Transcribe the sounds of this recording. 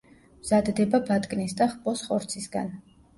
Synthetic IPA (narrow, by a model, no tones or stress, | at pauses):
mz̥ad̪d̪ɛbabat̪ʼkʼnisd̪aχpʼɔsχɔɾt̪sʰisɡa̰n